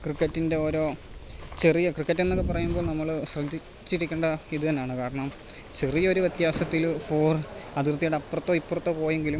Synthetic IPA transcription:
krikːɐtːinde̞o̞ːɾo̞ː | t͡ɕe̞rijɐkrikːɐtːenːokːep̬ɐrɐjumbo̞ːɭnɐmːɐɭɕrɐd̪ːi | t͡ɕːiɽikʲːeɳɖɐiðɨt̪ɐnːjaːɳɨkaːɾɐɳɐm | t͡ɕe̞rijɐoɾuʋjɐt̪jaːsɐt̪ːilfo̞ːrɐðirt̪ijeɽɐpːɐrɐt̪ːo̞ːipːorɐt̪ːoːpo̞ːjeŋɡilum

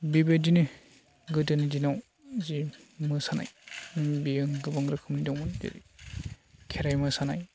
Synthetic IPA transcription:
bibedinɯ | ɡɯdɯnidinaw | zimɯsana̰jbiɯŋɡɯbaŋɾɯkʰɯmidɔŋɯndḛɾḭ | kʰeɾajmɯsanaj

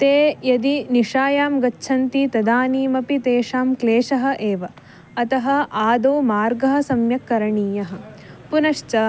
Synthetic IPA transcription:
t̪eːjɐd̪iniʂaːjaːmɡɐtːʃʰɐnt̪it̪ɐd̪aːniːmɐpit̪eːʂaːmkleːʂɐɦɐ̆ʔeːʋɐ | ɐt̪ɐɦɐ̆ʔaːd̪oːmaːɾɡɐɦɐ̆sɐmjɐkːɐɾɐɳiːjɐɦɐ̆punɐʂt͡ʃɐ

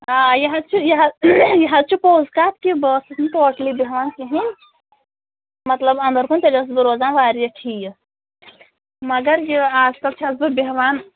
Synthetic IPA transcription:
ajɐɦad̪t͡ʃʰijɐɦajɐɦat͡ʃʰipoːzkaːt̪̚ʰkibəsɨt̪ʰnt̪oːʈlibeɦʋaːnkiɦi | mɐt̪lɐbɐ̃nd̪ɐɾkunt̪elɐs̬bɨɾoːzaːnʋaːɾijɐʈʰij | mɐɡɐɾjiaːzkɐlt͡ʃʰɐsbɨbeɦʋaːn

